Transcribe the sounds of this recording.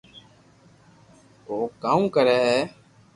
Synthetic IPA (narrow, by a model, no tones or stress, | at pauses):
oːkaːũːkəɾɛːɦɛː